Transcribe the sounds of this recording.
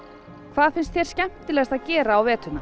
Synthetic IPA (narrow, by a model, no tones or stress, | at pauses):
kʰv̥aːðθfɪnst̪θjɛɾ̥scɛm̥t̪ɪlɛɣast̪aðcɛːɾaːwvɛːt̪ʏna